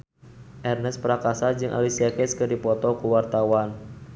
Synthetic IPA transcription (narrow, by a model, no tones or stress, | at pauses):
ʔɛrnɛspəɾakasad͡ʒɨŋʔa̰lisiakɛskɨrdipɔt̪ɔkuwart̪awan